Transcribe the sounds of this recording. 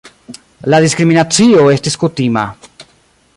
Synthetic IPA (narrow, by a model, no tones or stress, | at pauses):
laðiskɾiminat͡sio̞e̞stiskutima̰